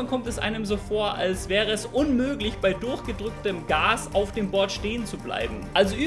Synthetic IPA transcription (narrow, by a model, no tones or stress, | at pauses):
ankʰɔmtɛsʔa̰ɪnəmzoːfoːɐʔa̰lsv̥ɛːʁ̞əɛsʔʊnmøːɡlɪçb̥aɪdʊɐçɡ̥ədʁʏk̚təmɡaːsaʊfd̥eːmbɔɐtʃteːənt͡subla̰ɪbm̩ʔalzoʔyː